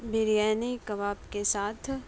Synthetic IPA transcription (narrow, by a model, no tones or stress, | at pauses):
bɪɾijaːnikɐʋaːbkesaːt̪ʰ